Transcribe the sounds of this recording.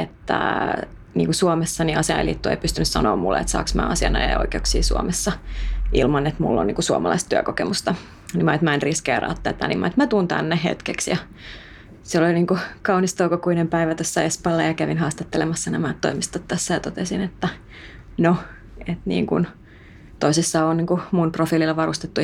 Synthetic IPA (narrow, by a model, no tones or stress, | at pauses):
et̪ːæ̰ | niːŋkusuomesːɑniɑsiɑḛlḭt̪ːuḛipyst̪ynyssɑ̰noːmmulːḛḛt̪sɑ̰ːksmæ̰ːɑsiɑnɑjɑo̰ikeuksḭːsṵomesːɑʔilmɑnːet̪mṵlːo̰niːŋkusuomɑlɑist̪t̪yækokemust̪ɑ | nimɑet̪mæinriskḛːrɑ̰ːt̪ːɑːt̪ːæ̰nimʔɑ̰et̪mæt̪uːnt̪æ̰nːeɦḛt̪keksjɑ | siloliniːŋkukɑunist̪oukokuinempæiʋæt̪osːæespɑlːɑjɑkæʋinhɑːst̪ɑt̪ːelemɑsːɑnæmæt̪to̰imist̪ot̪t̪ːæsːæjɑt̪ot̪esinet̪ːæ | no | et̪nḭːŋkṵn | t̪oisisːɑːonniːŋkumunprofiːlilːɑʋɑrust̪et̪ːu